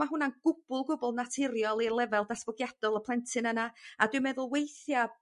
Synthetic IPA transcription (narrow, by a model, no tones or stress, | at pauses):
aɦʊnanɡ̥ʊb̥ʊlˠɡʊbɔlˠnatʰɪɾjɔlˠirlˠɛvɛlˠdasvɔɡjad̥ɔlˠəpʰlˠɛntʰɨnənaadɨmɛðʊlˠwejθja